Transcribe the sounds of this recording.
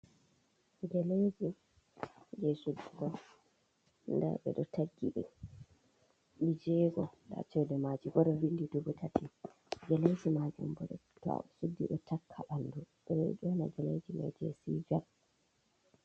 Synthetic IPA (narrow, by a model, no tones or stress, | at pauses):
ɡɛled͡ʒi | d͡ʒɛsudːiɡɔ | nda̰ɓɛ̰ɗɔtʰaɡːiɓɛ̰ | ɓid͡ʒɛːɡɔda̰t͡ʃɛwdɛmad͡ʒiɡɔɗɔwindidubutʰatʰi | ɡɛled͡ʒimad͡ʒṵmbɔɗɔta̰ɛsudːḭɗɔtʰakʰːaɓanduɓɛɗɔɛ̰d͡ʒɔna̰ɡɛled͡ʒima̰d͡ʒɛ̰sḭːd͡ʒal